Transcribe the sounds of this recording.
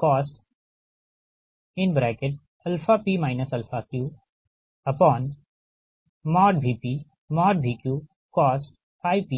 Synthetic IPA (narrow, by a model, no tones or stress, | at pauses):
kɔːs | ɪ̃nbɾɛːkeʈ̚ | ɐlfapiːmaːɪnəsɐlfakjuː | ɐpɔ̃ːn | mɔːɖbʱiːpi | mɔːɖbʱiːkjuː | kɔːs | aːjpiː